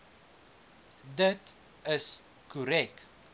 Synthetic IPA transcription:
dət | əs | kuɾɛk̚t

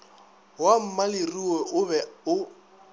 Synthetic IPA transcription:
wam̩malɪriwɛʔʊbɛʊ

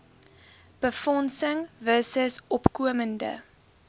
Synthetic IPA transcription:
b̥əfɔnsəŋvəsəsɔpkuəməndə̰

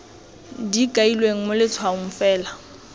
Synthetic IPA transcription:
dikʼailweŋ̩mʊlɪt͡sʰwaʊŋ̩fɛːla

